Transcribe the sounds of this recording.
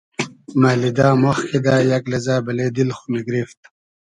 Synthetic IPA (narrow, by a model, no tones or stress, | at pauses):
maːlid̪aːmoxked̪aːjaklezaːbɐleːd̪ilxuniɡɾift̪̚